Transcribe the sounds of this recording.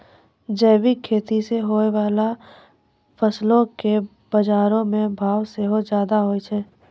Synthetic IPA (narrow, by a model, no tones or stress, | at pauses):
d͡ʒɛːwikʰːeːt̪iseɦoeʋaːla | pʰəslõke | b̥əd͡ʒaːɾõmẽbʱaːwseɦozjaːd̪aɦoːit͡ʃʰɛː